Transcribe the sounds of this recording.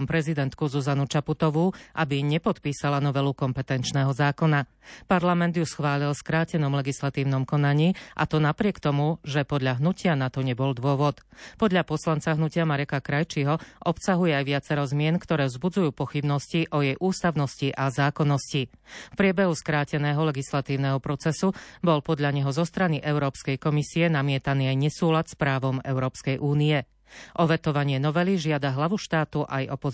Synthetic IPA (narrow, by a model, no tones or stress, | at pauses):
mpɾɛzid̪ɛnt̪kuzuzanut͡ʃaput̪ɔʋuʔabiɲɛpɔt̪piːsalanɔʋɛlukɔmpɛt̪ɛnt͡ʃnɛːɦɔzaːkɔna | paɾlamɛnd̪jusxʋaːlilskɾaːcɛnɔmlɛɡislat̪iːʊnɔmkɔnaɲiːʔa̰t̪ɔnapɾɪɛkt̪ɔmuʒɛpɔd̪ʎaɦnucɪanat̪ɔɲɛbɔld̪ʊɔʋɔt̪pɔd̪ʎapɔslant͡saɦnucɪamaɾɛkakɾajt͡ʃiɦɔʔɔpsaɦujɛajʋɪat͡sɛɾɔzmɪɛnkt̪ɔɾɛːʋzbud͡zujuːpɔxibnɔsciʔɔjɛjʔuːst̪aʊnɔsciʔazaːkɔnːɔscifpɾɪɛbɛɦuskɾaːcɛnɛːɦɔlɛɡislat̪iːʊnɛɦɔpɾɔt͡sɛsubɔlpɔd̪ʎaɲɛɦɔzɔst̪ɾaniʔɛʊɾɔːpskɛjkɔmisiɛnamɪɛt̪aniːajɲɛsuːlat̪spɾaːʋɔmɛ̰ʊɾɔːpskɛjʔuːniɛ | ʔɔʋɛt̪ɔʋaɲɪɛnɔʋɛliʒɪad̪aɦlaʋuʃt̪aːt̪uʔajɔpɔ